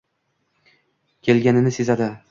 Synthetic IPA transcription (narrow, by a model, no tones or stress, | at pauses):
kʲʰe̞lɡʲanɪnɪse̞zad̪ɪ